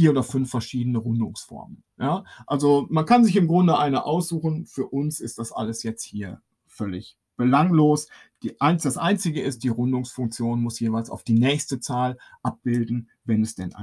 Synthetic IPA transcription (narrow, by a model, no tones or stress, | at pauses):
fiːɐoːdɐfʏnfɛɐʃiːdənəʁʊndʊŋsfɔ̰ɐmən | jaːʔalzomankanzɪçɪmɡʁʊndəʔaɪnəʔa̰ʊsz̥uːxn̩fyːɐʔʊnsɪst̚d̥asʔa̰ləsjɛt͡sthiːɐ | fœlɪ̰ç | b̥əlaŋloːs | d̥iːʔaɪnd̥asʔaɪnt͡sɪɡəɪst̚d̥iːʁʊndʊŋsfʊŋk̚t͡sjoːnmʊsjeːvaɪlsa̰ʊfd̥iːnɛːçstət͡saːlʔap̚b̥ɪldn̩ | vɛnɛsd̥ɛnʔa̰